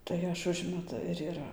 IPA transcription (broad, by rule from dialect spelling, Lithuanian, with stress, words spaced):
tɐɪ ˈɐʃ ˈʊʒʲmʲɛtʊ ɪr ɪˈrɐ